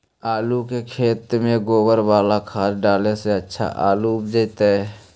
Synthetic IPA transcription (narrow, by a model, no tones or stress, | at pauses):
aːlukekʰeːt̪mẽɡoːwəɾwaːlakʰaːɾɖaːleseətːʃʰa̰ʔa̰ːluʊpd͡ʒət̪ɦɛː